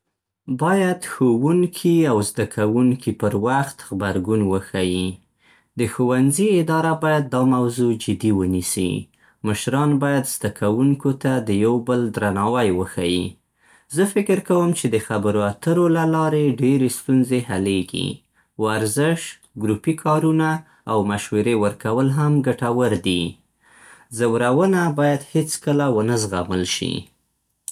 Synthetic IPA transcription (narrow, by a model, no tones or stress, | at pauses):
bɑjad̪xowuŋkʰiawzd̪akʰawuŋkʰipəɾwaxt̪ɣbaɾɡunwəxaji | d̪əxowanziɪd̪ɑɾabɑjad̪̚ːɑmawzod͡ʒɪd̪iwənisḭ | məʃɾɑnbɑjad̪z̥d̪akʰawuŋkot̪ad̪əjawbəld̪ɾanɑwajwəxaji | zəfɪkɪɾkawəmt͡ʃed̪əxabəɾoat̪əɾolalɑɾeɖeɾest̪unzeɦaleɡḭ | waɾzɪʃ | ɡɾupikʰɑɾunaː | wmaʃweɾewəɾkawəlɦamɡaʈawəɾd̪i | zawɾawənabɑjad̪het͡skəlawənəzɣaməlʃḭ